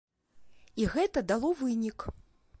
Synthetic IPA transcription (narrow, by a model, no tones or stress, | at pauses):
iɣɛt̪ɐd̪alˠɔvɨnʲik